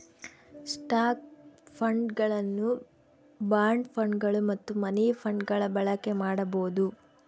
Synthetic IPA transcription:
sʈaːk̚pʰɐɳɖɡɐɭɐnːu | baːɾɳɖpʰɐɳɖɡɐɭumɐt̪ːumɐnipʰɐɳɖɡɐɭɐbɐɭɐkːe̞maːɽɐboːd̪u

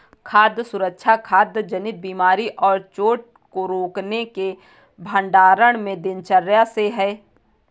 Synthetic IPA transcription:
kʰaːd̪jəsʊɾəkʃʰakʰaːd̪jd͡ʒənɪt̪̚biːmaːɾiʔɔːɾt͡ʃoːʈ̚ | koɾoːkneke | bʱə̃ɳɖaːɾəɽ̃mẽd̪ɪnt͡ʃəɾjaseɦɛː

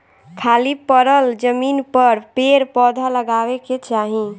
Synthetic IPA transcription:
kʰalipəɾəld͡ʒəminpəɾpeɾpɔd̪ʱaləɡaʋeket͡ʃaɦi

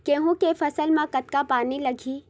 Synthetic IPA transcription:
keːɦũkefɐsəlmãkɐt̪̚kapaːnilɐɡʱiː

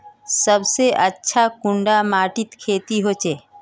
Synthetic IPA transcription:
səbseʔətːʃʰakʊ̃ɳɖamaːʈɪt̪kʰeːt̪iɦoːt͡ʃeː

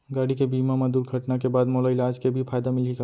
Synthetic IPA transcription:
ɡaːɽikebiːmamad̪uːɾɡʱɐʈnakebaːd̪moːlaɪlaːd͡ʒkebʱifʰaːjd̪amɪlika

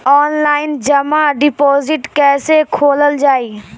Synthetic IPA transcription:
ɔːnlaːɪnd͡ʒəmaɖɪpɔːzɪʈkɛːsekʰoːləld͡ʒaːiː

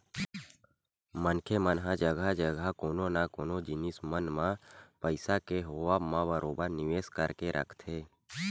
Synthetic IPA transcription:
mənkʰemənɦãd͡ʒəɡʱad͡ʒəɡʱakoːnonakoːnod͡ʒɪnismənmãpəɪsakeɦoaːbmãbəɾʔoːbəɾnɪʋeːskəɾkeɾʔə̰kʰt̪ʰeː

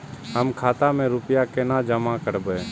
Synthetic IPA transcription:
ɦəmkʰaːt̪amẽɾʊpjakenad͡ʒəmakəɾbeː

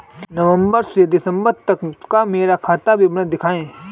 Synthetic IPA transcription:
nɐʋə̃mbəɾsed̪ɪsə̃mbəɾt̪ɐkkameːɾakʰaːt̪abʱibned̪ɪkʰaːẽː

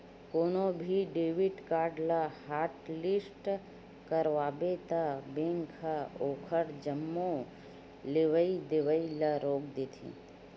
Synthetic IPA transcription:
koːnobʱiɖeːʋɪʈkaːɾɖlahaːɾʈlɪsʈ | kəɾʋaːbet̪abẽŋkʰaoːkʰəɾd͡ʒəmːo | leʋəid̪eʋəilaɾoːk̚d̪eːt̪ʰḭː

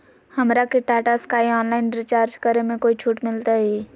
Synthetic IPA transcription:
hɐmɾakeʈaːʈaskaːiɔːnlaːɪnɾit͡ʃaːɾd͡ʒkəɾemẽkoːit͡ʃʰuːʈmɪlt̪aɦiː

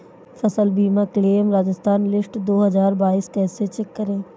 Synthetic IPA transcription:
fʰɐsəlbiːmakleːmɾaːd͡ʒəst̪ʰaːnlɪsʈd̪oːɦəzaːɾbaːiːskɛːset͡ʃɛkːəɾẽː

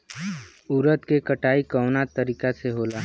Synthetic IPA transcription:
ʊɾət̪kekəʈaːikɔʊnaːt̪ːəɾiːkaseɦoːla

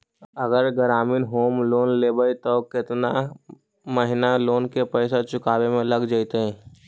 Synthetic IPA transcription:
əɡəɾɡəɾaːminɦoːmloːnleːbəjt̪okɪt̪na | məɦɪnaloːnkepɛɪsat͡ʃʊkaːbemẽləɡd͡ʒaɪt̪eɦɛ̃ː

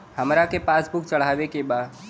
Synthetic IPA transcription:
həmɾakepaːsbʊk̚t͡ʃəɭ̤aːʋekebaː

